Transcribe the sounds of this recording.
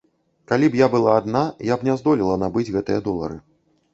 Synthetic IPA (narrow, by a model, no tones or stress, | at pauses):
kalʲibjabɨlˠaːd̪najabnʲazd̪ɔlʲilˠɐnabɨd͡zʲɣɛt̪ɨjɐd̪ɔlˠɐ̰ɾɨ